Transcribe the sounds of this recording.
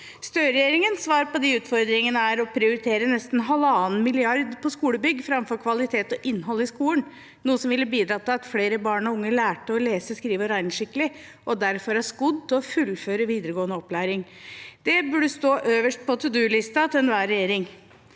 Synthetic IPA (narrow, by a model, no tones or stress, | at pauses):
st̪øːɾɛjeːɾɪŋənsʋɑːɾpɔd̪ɪʉːt̪fɔɾd̪ɾɪŋənəæɾɔpʰɾɪʊɾɪt̪ʰeːɾənɛst̪n̩ɦɑlɑːnmɪlɪɑɾd̪pʰɔskuːləbʏɡːfɾɑmfɔɾkʰʋɑlɪt̪ʰeːt̪ɔʔɪnːɦɔlːəɪskuːlən | nuːəsɔmʋɪlːəbiːd̪ɾɑːt̪ʰɪlɑt̪fleːɾəbɑːɳɔʊŋːəlæːʈəɔleːsəskɾiːʋəɾæɪnʂɪkːəlɪ | ʔɔd̪æɾfɔɾæskʊd̪̚t̪ɪɔfʉlføːɾəʋiːd̪əɾəɡoːənəɔplæːɾɪŋ | d̪ɛbʉɖəst̪oːʔøːʋəʂʈ̚pʰɔt̪ʰʉd̪ʉːlɪst̪ɑt̪ʰɪɛnʋæːɾɛjeːɾɪŋ